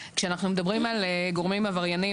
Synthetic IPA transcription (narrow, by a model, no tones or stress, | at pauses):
kʃeanaχnumed̪abʁimaleɡo̞ʁmimavaʁjani